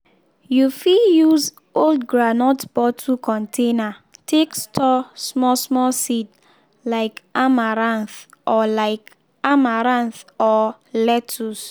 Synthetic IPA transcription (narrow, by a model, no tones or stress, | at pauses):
jufijuz | oldɡɹanɔtb̥ɔtʰukɔ̃ntʰenatʰekstʰɔsmɔsmɔsit | laɪkamaɾãnθɔlaɪk | amaɾãnθɔ | lɛtʰus